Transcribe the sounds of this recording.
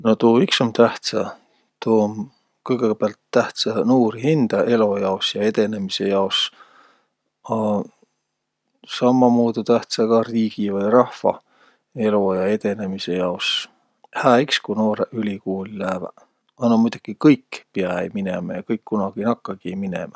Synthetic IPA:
no̞t̪uːiksomt̪æht̪sɑ | t̪om | kɤjɡeɡeb̥eɑlt̪ːæht̪sɑnuːɾihind̪̥ɑe̞lojɑosjɑe̞d̪e̞ne̞mise̞jɑos | ɑ | sɑmːɑmoːd̪ut̪æht̪sɑɡ̥ɑriːɡ̥ivɯjɾɑhfɑ̰ | e̞lojɑe̞d̪̥e̞ne̞mise̞jɑos | hæːikskunoːɾeʔylʲikuːlilæːvæ̰ | ɑnːɑmujd̪̥ukikɤjkːpeɑejminemɑjɑkɤjkːunɑɡ̥inɑkːɑɡ̥iejminḛmɑ

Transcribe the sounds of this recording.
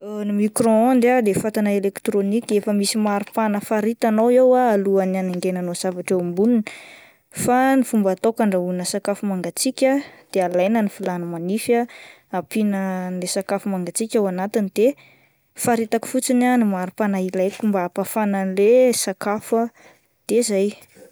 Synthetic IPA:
nimikrɔ̃ond̪ad̪efat̪anaelekt̪ɾonikʲefəmisimaɾupanəfaɾit̪anowewaːluananeŋɡenanoz̥avaʈ͡ʂembuninə | fanifumbat̪okaɳɖ͡ʐaunəsakafumaŋɡat͡sikʲad̪̥ealajnənifilanəmanifa | apinənlesakafumaŋɡat͡sikʲawanat̪inid̪̥e | faɾit̪aki̥fut͡sinanimaɾupanailajkumbaːpafanənlesakafə | d̪̥ezaj

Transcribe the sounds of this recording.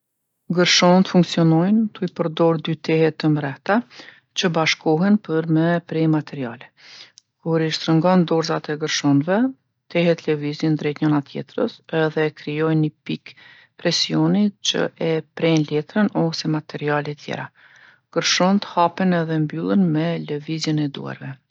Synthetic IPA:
ɡəɾʃɔnt̪əfuŋksiɔnɔjnt̪uipəɾd̪ɔɾd̪yt̪ɛhɛt̪əmɾɛht̪a | t͡ɕəbaʃkɔɦɛnpəɾmɛpɾimat̪ʰɛɾia̰lɛ | kuɾiʃt̪ɾəŋɡɔnd̪ɔɾzat̪ɛɡəɾʃɔnvɛ | t̪ɛɦɛt̪lɛvizind̪ɾɛt̪ɲɔnat̪jɛ̰t̪ɾə̰sɛðɛkɾijɔjnəpik | pɾɛsiɔnit͡ʃə̰ʔɛpɾɛnlɛt̪ɾənɔsɛmat̪ɛɾialɛt̪ʰjɛ̰ɾa | ɡ̥əɾʃɔnt̪ə̥hapɛnɛðɛmbylˠənmɛləvizənɛd̪ṵa̰ɾvɛ

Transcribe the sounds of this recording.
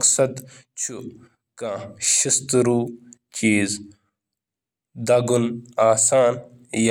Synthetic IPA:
ksɐd̪ | t͡ʃʰu | kãːɕist̪ɾuːt͡ʃiːz | d̪ɐɡunaːsaːn | ja

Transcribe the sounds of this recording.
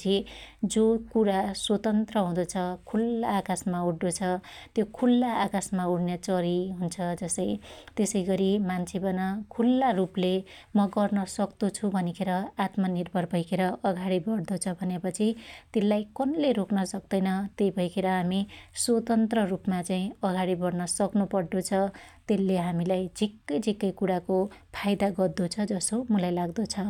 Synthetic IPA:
t͡sʰid͡zokuɽaswot̪ʌnt̪rʌɦũd̪ʌt͡sʰʌkʰulaːkasmauɽd̪ot͡sʰʌt̪jokʰulːaːkasmauɽnjet͡sʌɾiɦunt͡sʰʌd͡zʌsʌjt̪esʌjɡʌɾimant͡sʰebʌnʌkʰulːaruplemʌɡʌrnʌsʌkt̪ut͡sʰubʱʌnekʰeɾʌat̪mʌnirbʱʌrbʱʌjkʰeɾʌʔʌɡaɽibʌɽd̪ot͡sʰʌbʱʌnepʌt͡sʰit̪elːajkʌnleɾoknʌsʌk̚d̪ʌjnʌt̪ejbʱʌjkʰeɾʌɦamiswot̪ʌnt̪rʌrupmat͡saĩʌɡaɽibʌɽnʌsʌknupʌɽɖ̪ot͡sʰʌt̪elːeɦamilajd͡zʱikːʌjd͡zʱikːʌjkuɽakopʰajd̪aɡʌd̪ot͡sʰʌd͡zʌsomulajlaɡd̪ot͡sʰʌ

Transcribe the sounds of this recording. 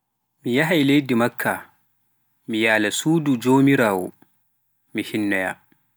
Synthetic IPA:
mijaɦajlejdimakʰːa | mijaːlasuːdud͡ʒoːmiɾaːwɔ̰ | mihinːɔja̰

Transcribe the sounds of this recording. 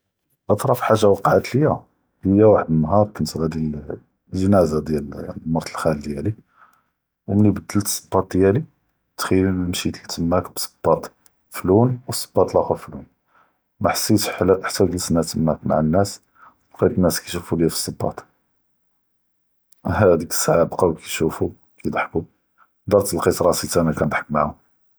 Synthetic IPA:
ʔɑt̪ˤɾˤɑfħaʒːawɑqʕat̪ləjːæ | həjːæwaħəd̪mənːɦɑɾˤkənt̪ɣæd̪il | ʒənæzad̪jælmɑɾˤt̪əlxæld̪jæli | wmnibəd̪ːəlt̪sˤːə̥bːɑt̪̚d̪jæli | t̪xəjinmʃit̪əlt̪əmːækbsə̥b̥ːɑt̪ˤ | flunwəsˤə̥bːɑt̪ˤlɑkuflun | mæħsːit̪ħlʔħt̪ːæwk̪əlsnæt̪əmːækma̰ʕənːæs | bqit̪ənːæskæʃufuljæfə̥sːəbːɑ̰t̪ˤ | hæd̪ikə̥sːaʕabqɑwkʰæʃufu | kæjd̪ˤɑħku | d̪ɑɾˤt̪ːəlqit̪ɾˤɑsit̪ʔænækænd̪ˤħə̥kmaʕhʊm

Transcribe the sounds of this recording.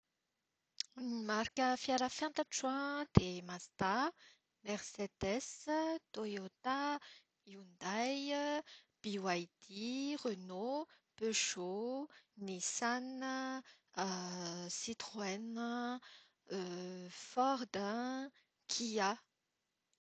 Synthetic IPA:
mimaɾkəfjaɾəfjãnt̪əʈ͡ʂwãd̪̥emast̪a | mɛʁsed̪ɛst̪ojot̪a | iund̪aj | b̥iwajd̪̥iʁøno | pøʃonisanə | sit̪ʁwɛnə | fɔʁd̪ə̃ | kʰia

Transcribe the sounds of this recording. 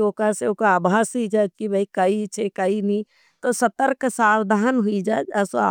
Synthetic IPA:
okaseokaaːbʱaːsid͡ʒaːd͡ʒkibʱəikəit͡ʃʰekəinĩ | t̪osət̪əɾksaːwd̪ʱaːɦənɦʊid͡ʒaed͡ʒəsa̰

